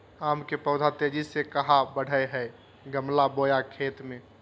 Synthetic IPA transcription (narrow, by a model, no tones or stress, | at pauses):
aːmkepəʊd̪ʱat̪ed͡ʒisekəɦabəɽ̤ʱəjɦəj | ɡəmlabojakʰeːt̪mẽ